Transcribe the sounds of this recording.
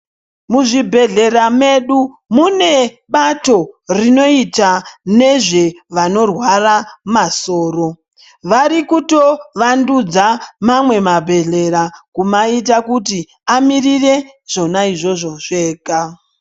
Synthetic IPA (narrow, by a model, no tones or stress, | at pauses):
muʐibʱe̞ɮe̞rame̞ɗu | mune̞ | ɓato̞rino̞itane̞ʐe̞ʋano̞rwaramaso̞ːro̞ | ʋarikuto̞ʋandud͡zamamwe̞mabʱe̞ɮe̞ɾakumait̬akuti | amirire̞ | ʐ̥o̞naiʐo̞ʐo̞ʐeːka